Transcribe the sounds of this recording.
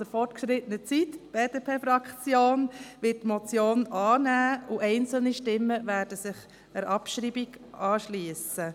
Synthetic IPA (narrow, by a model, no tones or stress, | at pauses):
dəɾfɔɾtkʃɾɪtənət͡sit̪tb̥eːdepʰeːfɾɑkt͡sjoːnʋɪt̚tmɔt͡sjoːnʔɑːnæːʊʔɛɪnt͡sl̩niʃtɪmːəʋæːɾd̥əsɪχ | əɾʔɑpʃɾibiɡɑːʃliəsə